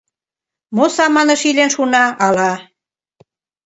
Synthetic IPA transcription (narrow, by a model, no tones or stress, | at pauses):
mosɑmɑnĕʃilʲenʃunɑɑlɑ